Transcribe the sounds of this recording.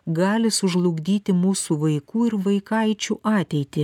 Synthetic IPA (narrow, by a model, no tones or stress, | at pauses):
ɡɑːlʲɪsʊʒlˠʊɡʲd̪ʲiːt̪ʲɪmuːsuʋɐɪkuːɪɾʋɐɪkɐɪt͡ʃʲuːʔɑːt̪ʲɛɪt̪ʲɪ